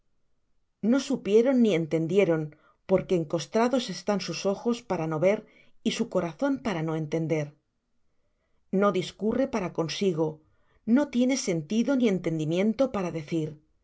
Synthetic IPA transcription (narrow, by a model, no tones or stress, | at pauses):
no̞supje̞ɾo̞nːie̞nt̪e̞nd̪je̞ɾo̞n | po̞ɾkeːŋko̞st̪ɾaðo̞se̞st̪ansuso̞xo̞spaɾano̞βe̞ɾ | isuko̞ɾaθo̞mpaɾano̞e̞nt̪e̞nd̪e̞ɾ | no̞ðiskure̞paɾako̞nsiɣo̞ | no̞t̪je̞ne̞se̞nt̪iðo̞nie̞nt̪e̞nd̪imjẽ̞nt̪o̞paɾaðe̞θiɾ